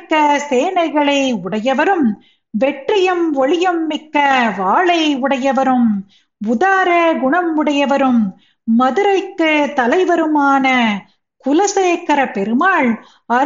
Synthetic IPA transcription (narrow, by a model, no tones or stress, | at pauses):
kːɐseːnɐɪɣɐɭɐɪʊɽɐjɐʋɐɾɯm | ʋɛʈrɪjɐmʋɔɭɪjɐmːɪkːɐʋaːɭɐɪʊɽɐjɐʋɐɾɯm | ʊðaːɾɐɡʊɳɐmʊɽɐjɐʋɐɾɯmː | ɐðɯɾɐɪkːɯt̪ɐlɐɪʋɐɾɯmaːnɐ | kʊlɐseːkːɐɾɐpɛɾɯmaːɭ | ɐ